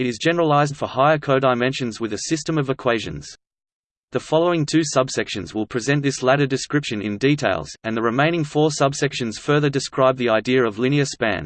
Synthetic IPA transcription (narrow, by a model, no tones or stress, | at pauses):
ɨɾɨzd͡ʒɛnə˞əlaɪzd̥fə˞haɪə˞kʰəʊdaɪmɛ̃nʃɨ̃nzwɨðɨsɪstə̃mʌvɨkʰw̥eɪʒɨ̰̃nz̥ | ðɨfɑlˠoʊɪ̃ŋtʰʉsʌb̥sɛkʃɨ̃nzwɪlˠpʰɹ̥ɨzɛ̃nðɪslæɾə˞dɨskɹɪpʃɨ̃nɪ̰̃nditʰeɪlˠz̥ɨ̃nðɨɹɨmẽɪ̃ñɪ̃ŋfɔɹsʌbsɛkʃɨ̃nz̥fɜ˞ðə˞dɨskɹaɪb̚ðiaɪdiɨɹʌvlɪ̃ñiɨspæ̰̃n